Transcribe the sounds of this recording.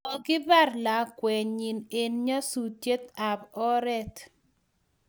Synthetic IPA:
ɔ˨ɡɪ˦ba˦rla˨kwɛ˨ɲi˨ne˨nɲa˦su˨tje˦t̪a˨bɔ˦ɾɛ˦t̪

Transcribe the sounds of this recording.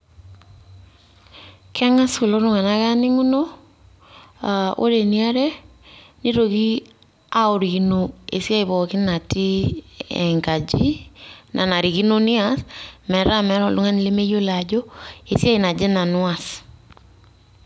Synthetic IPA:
kɛ˦ŋa˦su˨lɔ˦ɾʊ˦ŋa˨na˦ɣa˦nɪ˦ŋu˦no˦ | a˨ʔo̰˦ɾe˨ni˦a˦ɾɛ˦ | ni˦ɾo˨ɡi˦ | a˦o˨ɾi˨ɡi˦noḛ˨si˦a˦i˨bɔ˨kɪ˦na˨ti˦ɛ̰˨ŋɡa˨d͡ʒi˦nʔa̰˨na˨ɾi˨ɡi˦no˦ni˦asmɛ˨ɾa˦mɛ˨˦ɾɔ˨lu˦ŋa˦n˨li˦me˦jo˦la˨d͡ʒɔ˦e˨si˦a˦i˨na˨d͡ʒɛ˦na˨nʊ˦a˨s

